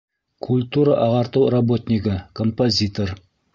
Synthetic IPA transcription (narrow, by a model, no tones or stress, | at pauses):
kʰulʲt̪uɾəʔɑʁɑɾt̪uwrobot̪ʲnʲikəkʰompozʲit̪or